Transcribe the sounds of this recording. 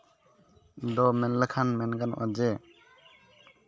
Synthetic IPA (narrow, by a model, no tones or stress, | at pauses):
d̪ɔmɛnləkʰanmɛnɡanʔɔ̰d͡ʒɛ